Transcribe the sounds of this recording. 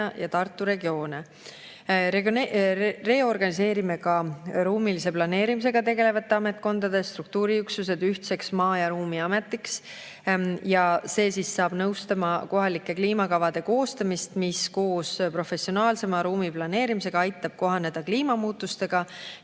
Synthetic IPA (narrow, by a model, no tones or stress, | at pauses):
jɑt̪ɑrt̪ːˑuɾe̞ɡio̞ːne | re̞ːo̞rɡ̥ɑnis̬e̞ːɾime̞kɑɾuːmilis̬e̞plɑne̞ːɾimis̬e̞ɡ̥ɑt̪e̞ɡe̞le̞vɑt̪ːˑeɑme̞t̪̚ˑko̞nd̪ɑd̪̥est̪ruk̚t̪uːɾiyksuse̞d̪̥yht̪se̞ksmɑːjɑɾuːmiɑmet̪ːˑiks | jɑse̞ːsisːɑːb̥nɤwst̪ɑmɑko̞ɦɑlikːˑe̞kliːmɑkɑvɑd̪̥e̞ko̞ːst̪ɑmist̪misko̞ːspro̞fe̞sionɑːlse̞mɑɾuːmiplɑne̞ːɾimise̞ɡ̥ɑɑjt̪ːˑɑb̥̚ko̞ɦɑne̞d̪̥ɑkliːmɑmuːt̪ːˑust̪e̞ɡ̥ɑ